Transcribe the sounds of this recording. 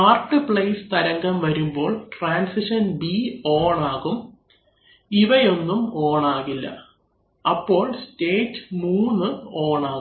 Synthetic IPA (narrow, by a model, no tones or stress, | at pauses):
aːrʈːɨpɭɐjst̪ɐɾɐŋɡɐmʋɐɾumbo̞ːɭʈraːnsiʂɐnbioːɳaːɣum | iʋɐjo̞nːumo̞ːɳaːɣilːɐ̰ | ɐpːo̞ːɭste̞ːtːɨ̥muːnːɨoːɳaːɣ